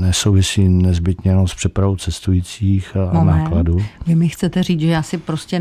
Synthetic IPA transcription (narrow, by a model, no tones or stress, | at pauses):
nɛsowvɪsiːnɛzbɪt̪ɲɛjɛnonspr̝̥ɛpɾavowt͡sɛst̪ujiːt͡siːxnaːkladuːvɪmɪxt͡sɛt̪ɛriːt͡sʒɛjaːsɪpɾoscʲɛ